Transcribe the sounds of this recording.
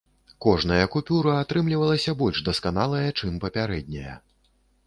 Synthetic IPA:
kɔʐnɐjɐkupʲuɾɐat̪ɾɨmlʲivɐlˠɐsʲɐbɔlʲʐd̪ɐskan̪alˠɐjɐt͡ʂɨmpɐpʲaɾɛd̪̚ʲnʲɐ̰jɐ̰

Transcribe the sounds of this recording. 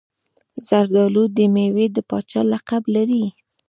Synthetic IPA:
zaɾd̪ɑlud̪əmewed̪əpɑt͡ʃɑlaqablaɾi

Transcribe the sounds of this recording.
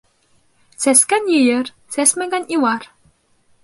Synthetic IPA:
sæskænjɘjɘ̆r | sæsmæ̆ɡæniwɑr

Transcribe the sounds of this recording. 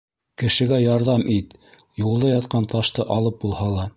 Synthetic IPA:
kɘ̆ʃɘ̆ɡæjɑɾðɑmʔit̪ | julˠd̪ɑjɑt̪̚qɑnt̪ɑʃt̪ɤʔɑlˠɤp̚bulˠhɑlˠɑ

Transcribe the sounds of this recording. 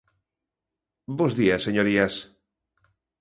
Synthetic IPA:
bozðiasːeɲoɾias

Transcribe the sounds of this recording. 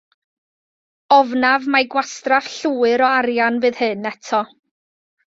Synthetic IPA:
ɔvnavmaɡwastrafɬuːɨɾɔaɾjanvɨːðhɨnːɛtʰɔ

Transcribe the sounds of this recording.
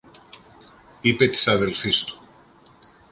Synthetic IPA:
ipet̪saðelfist̪u̥

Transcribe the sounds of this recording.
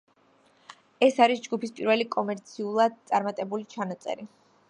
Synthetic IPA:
ɛsaɾisd͡ʒɡupispʼiɾvɛlikʼɔmɛɾt̪sʰiulˠad̪̚t̪sʼaɾmat̪ʼɛbulit͡ʃʰanat̪sʼɛ̰ɾi

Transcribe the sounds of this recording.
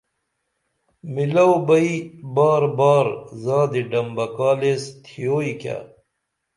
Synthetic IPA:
milɐwbɐibaːɾbaːɾzaːd̪iɖɐmbɐkaːlest̪ʰijoːika̰

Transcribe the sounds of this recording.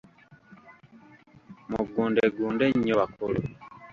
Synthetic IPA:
muɡuːndeɡuːndeɲːoβakʰolo̰

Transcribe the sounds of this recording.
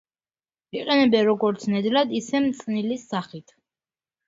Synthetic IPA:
iqʼɛnɛbɛɾɔɡɔɾt̪sʰnɛd̪lad̪isɛmt̪sʼnilisaχit̪ʰ

